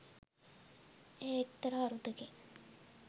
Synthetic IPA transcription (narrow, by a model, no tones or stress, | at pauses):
eːekt̪ːəɾaːɾud̪əke